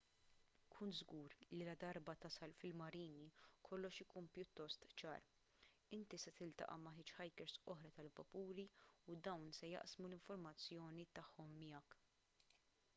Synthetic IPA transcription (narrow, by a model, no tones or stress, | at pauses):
kʰuːnt̪zɡuːɾlilɐd̪ɐɾbɐt̪ɐsɐlfɪlmɐɾiːnikʰɔlːɔʃɪkuːnpjʊt̪ːɔst̪t͡ʃɐ̰ːɾ | ɪnt̪isɛt̪ɪlt̪ɐ̰ʔɐ̰mɐħɪːt͡ʃħɐjkɛɾsɔħɾɐt̪ɐlvɐpuːɾiud̪ɐwnsɛjɐ̰ʔsmulɪɱfɔɾmɐt͡sːjɔːnit̪ɐħːɔmːɪjɐk